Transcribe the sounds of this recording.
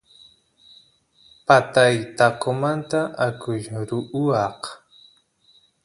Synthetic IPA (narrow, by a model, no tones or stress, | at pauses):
pat̪ajt̪akomant̪aʔakʊjɾʊʔʊɑq